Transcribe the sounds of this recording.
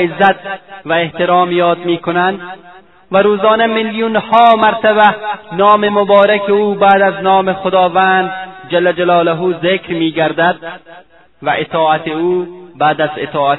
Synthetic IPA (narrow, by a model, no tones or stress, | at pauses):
ɪzːæt̪væeht̪eɾɒːmjɒːd̪̚miːkonand̪ | væɾuːzɒːnemiljunhɒːmaɾt̪aβænɒːmemobɒːɾakeuːbæːd̪aznɒːmexod̪ɒːvænd̪d͡ʒalːad͡ʒalɒːlaɦuːzekɾmiːɡaɾd̪ad̪̚ | væʔet̪ʰɒːat̪euːbæːd̪azet̪ʰɒːa